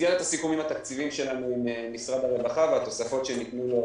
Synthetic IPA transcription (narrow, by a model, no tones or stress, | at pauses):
janet̪asikumimhat̪akt͡sivimʃe̞lanuimenisʁad̪aʁevaχaveat̪o̞safo̞t̪ʃe̞nit̪nu